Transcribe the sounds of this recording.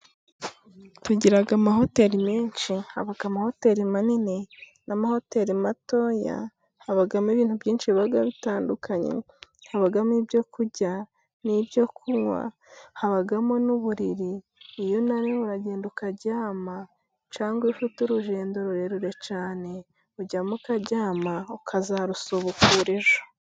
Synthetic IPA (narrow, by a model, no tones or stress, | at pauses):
tuɟiɾaɡamaɦo̞te̞ɾimiːnʃiha̰βaɡamaho̞te̞ɾimanine | namaho̞te̞ɾimato̞ja̰ | haβaɡamiβiːn̥hubɟiːnʃiβaɡaβitaːndukaɲḛ | haβaɡamibjo̞kuɟa | nibjo̞kʰuŋwa̰ | haβaɡamonuβuɾiɾiː | jonaɾeuɾaɟe̞ːndukaɟaːma | t͡ʃaːŋɡwiʃutuɾuʒe̞ːndoɾuɾeɾuɾe̞t͡ʃaːne̞ | uɟamukaɟaːmaukʰazaɾusoβukuɾeʒo